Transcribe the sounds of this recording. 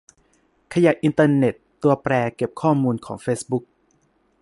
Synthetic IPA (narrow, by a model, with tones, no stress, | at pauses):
kʰa˧ja˨˩ʔʔi˧nt̪aː˧ne˨˩t̪ːu˧ɐpɾɛː˧ke˨˩p̚kʰɔː˥˩muː˧nkʰɔː˩˦ŋfeː˦˥sbu˦˥k̚